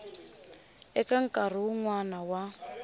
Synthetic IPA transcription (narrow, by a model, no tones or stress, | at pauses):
ɛkaŋ̩kʼar̤iwuŋwanawa